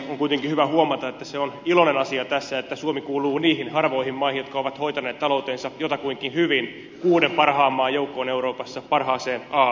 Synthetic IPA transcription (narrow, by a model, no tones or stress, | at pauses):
oŋkujt̪eŋkihyʋæhuomɑt̪ɑet̪ːæseonilonenɑsiɑt̪æsːæet̪ːæsuomikuːluːniːhinhɑrʋo̞ihimmɑihijot̪kɑoʋɑt̪hoit̪ɑneːt̪t̪ɑlo̞ut̪eːnsɑjot̪ɑkuiŋkinhyʋin | kuːdempɑrhɑːmːɑːjoukːoːneuɾo̞ːpɑsːɑpɑrhɑːseːnɑː